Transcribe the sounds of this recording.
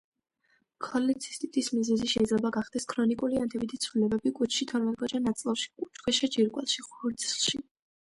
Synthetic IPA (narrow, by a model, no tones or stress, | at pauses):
kʰɔlɛt̪sʰi̥st̪ʼit̪ʼismizɛziʃɛid̪zlɛbaɡaχd̪̥ɛskʰɾɔnikʼuliant̪ʰɛbit̪ʰit̪sʰvlilɛbɛbikʼut͡ʃʰʃit̪ʰɔɾmɛt̪ʼɡʼɔd͡ʒanːat̪sʼlˠafʃi̥kʼut͡ʃχwɛʃad͡ʒiɾkʼwɛlˠʃiχuɾslʃi